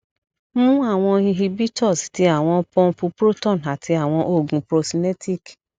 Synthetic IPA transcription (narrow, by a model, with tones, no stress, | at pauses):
mũ˦a˦˨w̃ɔ̃˧hi˧ɦi˧bi˦tɔ˦˨sti˧a˦˨w̃ɔ̃˧pɔ̃˧˦pu˧pɾo˦tɔ̃˦˨na˨tʰi˧a˦˨w̃ɔ̃˧ʔo˦˨ɡũ˨pɾo˧si˧ne˦ti˦˨k